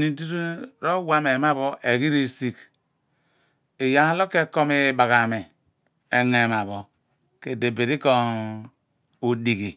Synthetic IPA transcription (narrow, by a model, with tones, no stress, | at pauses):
ni˨di˦ɾi˦ɾo˦wa˦me˨ma˦βo˦ʔe˨ɡi˦ɾe˦si˨k | e˨ja˦lo˦ke˦ko˦me˦ba˨ɣa˨me˨ | e˨ŋe˨m˨a˨βo˨ | ke˨de˨be˨ɾi˦ko˦ | o˨di˨ɡi˨